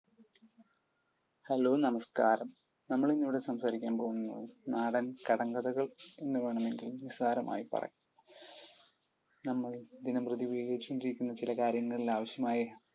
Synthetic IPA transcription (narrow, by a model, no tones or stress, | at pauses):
hɐlo̞ːnɐmɐskaːɾɐm | nɐmːɐɭinːiʋiɽesɐmsaːɾikʲːaːmpoːɣunːɐðɨnaːɽɐnkɐɽɐŋɡɐðɐɣɐɭe̞nːɨʋe̞ːɳɐme̞ŋɡilnisaːɾɐmʔa̰ːjipɐ̰rɐ̰j | nɐmːɐɭd̪inɐmprɨðiʋeːɣɐɾit͡ɕːkoɳɖiɾikʲːunːɐt͡ɕilɐkaːɾjɐŋːɐɭilaːʋɐɕjɐmaːjɐ